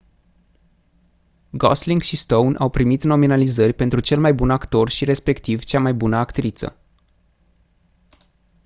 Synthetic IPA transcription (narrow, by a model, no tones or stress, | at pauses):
ɡo̰sliŋɡʃist̪ownʔa̰wpɾimit̪no̞minalizərʲpe̞nt̪ɾut͡ʃe̞lmajbunakt̪o̞rʃiɾe̞spe̞kt̪ivt͡ʃamajbunəakt̪ɾit̪sə̰